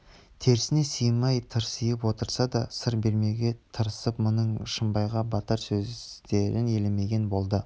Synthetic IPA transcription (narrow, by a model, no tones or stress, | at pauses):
t̪ʰe̞ɾɪsɪne̞sijmːɑjt̪ʰəɾsijəpwo̞t̪əɾsɑd̪ɑsəɾbe̞ɾme̞ɡʲe̞t̪ʰəɾəsəpmʊnəɴʃəmbɑjʁɑbɑt̪əɾsɵzt̪e̞ɾɪne̞leme̞ɡʲe̞nbo̞lˠd̪ə